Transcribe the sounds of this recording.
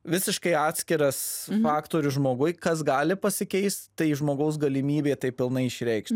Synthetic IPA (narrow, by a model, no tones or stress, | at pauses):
ʋʲɪsʲɪʃkɐɪɑːt̪ʲsʲkʲɪɾɐsfɑːkt̪oːɾʲʊʒmoːɡʊɪkɐsɡɑːlʲɪpɐsʲɪkʲɛɪst̪t̪ɐɪʒmoːɡɐʊs̬ɡɐlʲɪmʲiːbʲeːt̪ɐɪpʲɪlˠnɐɪɪʃʲɾʲɛɪkʃʲt̪ʲ